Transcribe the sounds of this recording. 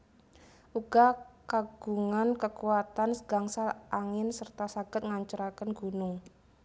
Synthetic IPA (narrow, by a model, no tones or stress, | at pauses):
ʔuɡ̥akaɡ̥uŋankəkuat̪ansəɡ̥aŋsalʔaŋɪnsərt̪asaɡ̥ə̤t̪̚ŋaɲt͡ʃəɾakənɡṳnʊŋ